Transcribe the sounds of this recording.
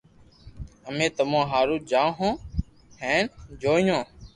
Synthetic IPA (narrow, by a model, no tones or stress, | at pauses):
əmẽːt̪əmõːɦaːɾuːd͡ʒaːɦõː | ɦɛ̃ːnd͡ʒoːjõː